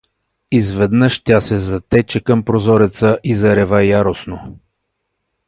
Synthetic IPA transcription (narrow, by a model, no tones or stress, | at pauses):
izvɛd̪nəʃt̪ʲasɛzɐt̪ɛt͡ʃɛkəmpɾozɔɾɛt̪səʔizɐɾɛvajaɾosno